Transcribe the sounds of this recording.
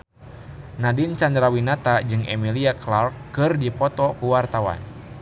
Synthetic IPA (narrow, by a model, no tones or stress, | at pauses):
nadint͡ʃandɾawinat̪ad͡ʒɨŋʔɛmiliaklarkːɨrdipɔt̪ɔkuwart̪awa̰n